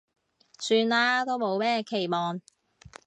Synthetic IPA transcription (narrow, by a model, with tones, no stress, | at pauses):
syː˧nlaː˥t̪o˥wmo˨˧wmɛː˥kʰe˨˩jmɔː˨n